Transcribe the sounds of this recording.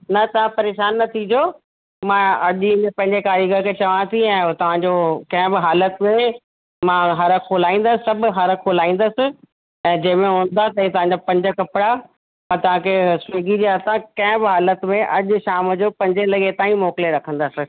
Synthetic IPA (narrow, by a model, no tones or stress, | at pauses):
nɐt̪ɐʋ̤ãpɐɾeːʃaːnːɐt̪ʰĩd͡ʑo | mãɐʄɪ̃ɲepɐ̃ɦɪ̃ɲd͡ʑekaːɾiɡəkʰet͡ɕɐʋãt̪ʰiɛ̃ːt̪ɐʋ̤ãɲd͡ʑokɐ̃ɦɪ̃bɪɦaːlət̪mẽ | mãɦɐɾəkʰoːlaːĩːn̆d̪əsɪsɐbʱɦɐɾkʰoːlaːĩːn̆d̪əsɪ̆ | ɛ̃ːd͡ʑɐ̃ɦmẽɦũːn̆d̪at̪ɐĩt̪ɐʋãːɲd͡ʑapɐ̃ɲd͡ʑəkɐpɪɽa | ɐt̪ɐʋ̤ãkʰesʊeːɡid͡ʑiaːt̪ãkɐ̃ɦɪ̃bɪɦaːlət̪mẽʔɐʄʊʃaːməd͡ʑoːpɐ̃ɲd͡ʑelɐɠet̪aːĩmɔːkleɾɐkʰə̃nd̪asɪ